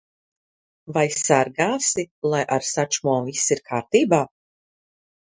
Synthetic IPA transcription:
vajsaɾɡaːsilˠajʔaɾsat͡ʃumuɔvisiɾkʰaːɾt̪iːbaː

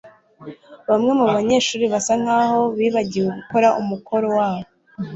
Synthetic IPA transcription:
βamŋe̞muβaɲe̞ːʃuːɾiβasaŋ̥aːho̞βiːβaɟiweɡuko̞ɾaʔumukʰo̞ɾo̞waːβo

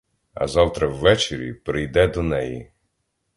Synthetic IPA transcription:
ɐ̰zɑwt̪ɾɐwːɛt͡ʃeɾʲḭpɾɪjd̪ɛd̪ɔnɛjḭ

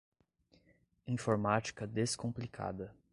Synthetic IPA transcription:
ĩfoɾmat͡ʃi̥kɐd̪eskõplikʰa̰d̪ɐ

